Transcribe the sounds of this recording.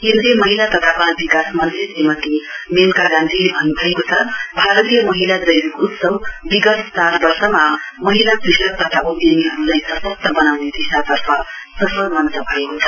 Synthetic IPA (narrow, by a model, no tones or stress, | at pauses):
ɦenɾemʌɦilat̪ʌt̪ʰapabikasmʌnt̪isemʌt̪imelkaɡãnt̪ʰilebʱʌnːubʱʌekot͡sʰʌbʱaɾʌt̪ijʌmʌɦilad͡zʌjikupsʌwbiɡʌst͡saɾbʌrsʌmamʌɦilapisʌk̚t̪ʌt̪ʰaud̪jeniɦʌɾulajsʌsʌs̚t̪ʌbʌnawned̪isat̪ʌrpʰʌ | sʌpʌɾmʌnt̪ʌbʱʌekot͡sʰʌ